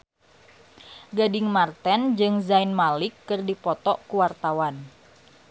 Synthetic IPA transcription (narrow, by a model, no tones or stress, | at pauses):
ɡadɪŋmart̪ɛnd͡ʒɨŋzainmalɪkːɨrdipɔt̪ɔʔkuwart̪awan